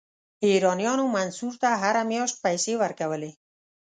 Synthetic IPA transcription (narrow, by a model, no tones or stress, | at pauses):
eɾɔnjɔnumansuɾt̪aɦaɾameɔs̚pajseβaɾkaβəle